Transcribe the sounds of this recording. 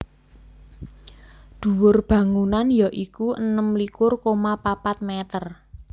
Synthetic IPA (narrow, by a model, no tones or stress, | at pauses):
d̪̥ṳwʊrb̥ä̤ŋunanjɔʔikuʔənəmlikʊrkomapapat̪̚mɛt̪ər